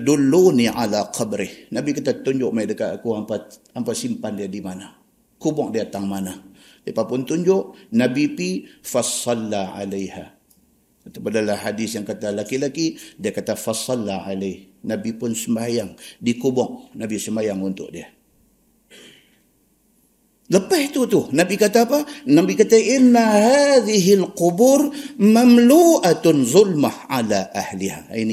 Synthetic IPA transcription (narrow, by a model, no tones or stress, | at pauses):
adulːuniʕalaqʰɑbɾɪhnabikat̪at̪uɲd͡ʒʊʔmaiʔdəkaʔakuampa | ampasimpandiadimana | kubɔk̚diat̪aŋmana | diepapʊnt̪uɲd͡ʒʊʔnabipifasˤɑlːaʕa̰lajha | at̪apadalahːadisjaŋkat̪alakilakidiakat̪afasˤɑlːaʕalahnabipʊnsəmbajaŋdikubɔŋ̚nabisəmajaŋunt̪ʊ̰ʔ̚dia | ləpɛht̪ut̪ʊhnabikat̪apanabikat̪aʔɪnːahaðiɦɪlquburmamluʔat̪zˤʊlmahʕalaʔahliha̰ini